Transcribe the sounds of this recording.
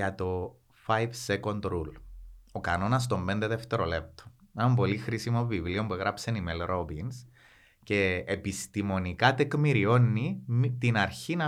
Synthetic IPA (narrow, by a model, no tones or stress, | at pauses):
ɐt̪o̞ | fɐjvse̞ko̞nd̪ɾulo̞kɐno̞nɐst̪o̞mbe̞nd̪e̞ðeft̪e̞ɾo̞le̞p̚t̪o̥ɐmbo̞lixɾisimo̞vivlio̞mbueɣɾɐpsenimelɾo̞bins | ce̞ːpist̪imo̞nikɐt̪ekmiɾio̞nːit̪inɐɾçinɐ